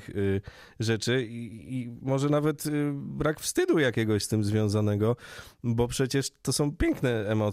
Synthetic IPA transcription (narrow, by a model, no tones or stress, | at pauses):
ʐɛt͡ʂɘiimɔʐɛnavɛt̪bɾakfst̪ɘd̪ujakʲɛɡɔɕst̪ɘmzvʲjɔ̃w̃zanɛɡɔbɔpʂɛt͡ɕɛʂt̪ɔsɔ̃w̃pʲjɛŋknɛɛmɔt̪